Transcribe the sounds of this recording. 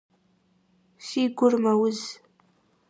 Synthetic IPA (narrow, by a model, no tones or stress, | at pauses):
siːɡʷʊrmɐwʊz